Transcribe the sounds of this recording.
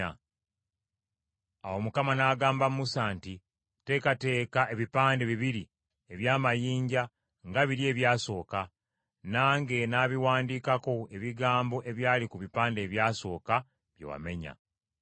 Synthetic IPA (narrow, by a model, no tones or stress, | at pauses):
awo̞mukamanaːɡaːmbammusanti | te̞ːkate̞ːkaʔeβipaːnde̞βiβiɾi | e̞βjaːmajiːɲɟa | ŋɡaβiɾje̞ːβjaːso̞ːka | naːŋɡe̞naːβiwaːndiːkako̞e̞βiɡaːmbo̞ʔe̞βjaːlikuβipaːnde̞ːβjaːso̞ːka | βjḛwa̰me̞ɲa̰